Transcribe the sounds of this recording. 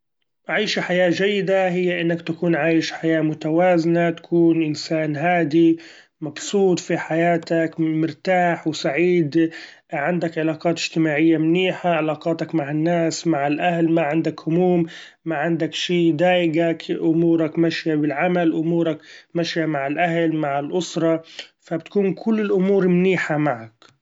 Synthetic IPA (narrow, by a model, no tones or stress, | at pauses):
ʕiːʃaħajaːd͡ʒajːɪd̪aɦɪjːaʔɪnːakt̪akuːnʕaːjɪʃħajaːmʊt̪awaːzɪnat̪ḁkʰuːnʔɪnsaːnɦaːd̪i | mɑbsˤuːt̪ˤfiħajaːt̪akmɪɾt̪aːħwsaʕiːd̪ | ʕɪnd̪akʕɪlaːqɑːt̪ɪʒ̥t̪ɪmaːʕɪjːamniːħaʕalaːqɑːt̪ɑkmaʕɪnːaːsmaʕɪlʔahlmaʕɪnd̪akhʊmuːmː | aʕɪnd̪akʃiːd̪aːʔɪɡakʔʊmuːɾakmaʃjabɪlʕamalʔʊmuːɾˤakmaʃjamaʕɪlʔahlmaʕɪlʔʊsɾˤɑfabt̪kuːnkʰʊlːɪlʔʊmuːɾmniːħamaʕak